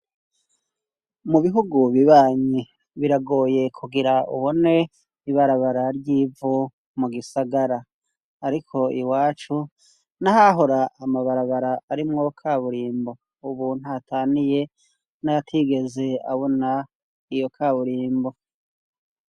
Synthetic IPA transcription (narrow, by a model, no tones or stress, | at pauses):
muβiɦuɡuβiβaːɲi | βiɾaɡo̞ːje̞kʰuɡiɾaṵβo̞ne̞ | iβaɾaβaɾaɾɟiːvu | muɡisaɡaɾaː | ɾikʰo̞iwaːt͡ʃu | naɦaɦo̞ɾaamaβaɾaβaɾaːɾimŋo̞kʰaːβuɾiːmbo̞ | uβun̥huatʰaːnije̞ | naatʰiɡe̞ze̞a̰βo̞na | ijo̞kʰaːβuɾiːmbo̞